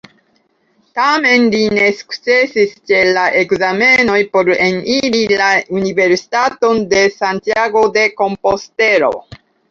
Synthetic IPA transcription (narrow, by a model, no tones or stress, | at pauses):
tame̞nline̞su̥kt͡se̞sist͡ʃe̞laʔe̞kzame̞no̞jpo̞ɾeniɾilaunive̞ɾsi̥t̪ato̞nde̞sant̪jaɡo̞d̪e̞ko̞mposte̞ɾo̞̰